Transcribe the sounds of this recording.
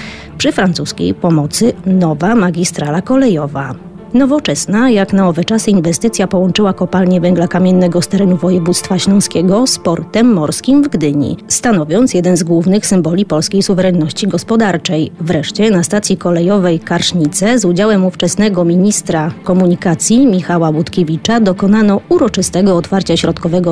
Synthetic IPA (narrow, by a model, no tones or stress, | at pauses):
pʂɘfɾant̪suskʲḛjpɔmɔt̪sɘnɔvamaɡʲist̪ɾalakɔlɛjɔva | nɔvɔt͡ʂɛsnajaknaɔvɛt͡ʂasɘinvɛst̪ɘt̪sʲjapɔwɔnt͡ʂɘwakɔpalɲɛvɛŋɡlakamʲjɛnːɛɡɔst̪ɛɾɛnuvɔjɛvut̪st̪faɕlɔ̃skʲɛɡɔspɔɾt̪ɛmːɔɾskʲimvɡd̪ɘɲḭst̪anɔvʲjɔnt̪sjɛd̪ɛnzɡwuvnɘxsɘmbɔlʲipɔlskʲejsuvɛɾɛnːɔɕt͡ɕiɡɔspɔd̪aɾt͡ʂɛjvɾɛʂt͡ɕɛnast̪at̪sʲjikɔlɛjɔvɛjkaɾʂɲit̪sɛzud͡ʑawɛmuft͡ʂɛsnɛɡɔmʲiɲist̪ɾakɔmuɲikat̪sʲjimʲixawabut̪kʲevʲit͡ʂad̪ɔkɔnanɔuɾɔt͡ʂɘst̪ɛɡɔːt̪faɾt͡ɕaɕɾɔt̪kɔvɛɡɔ